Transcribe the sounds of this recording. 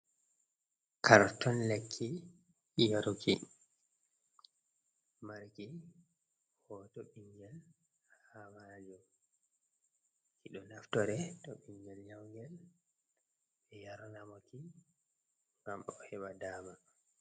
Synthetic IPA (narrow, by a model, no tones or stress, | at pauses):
kʰaɾtɔnlekʰːi | jaɾɔkʰi | maɾki | hɔtɔɓiŋɡɛl | hamad͡ʒɔ | kiɗɔnaftɔɾɛtɔɓiŋɡɛlɲawɡɛl | ɛjaɾɔnamɔki | ŋɡamɗɔhɛɓadaːma